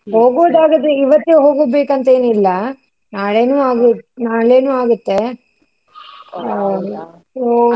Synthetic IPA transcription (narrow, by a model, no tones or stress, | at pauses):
hoːɡoːd̪aːɡɐd̪eiʋɐt̪ːeɦoːɡoːbeːkɐnt̪ɐeːnuilːɐ | naːɭeːnuːaːɡunaːɭeːnuːaːɡut̪ːe̞ | soː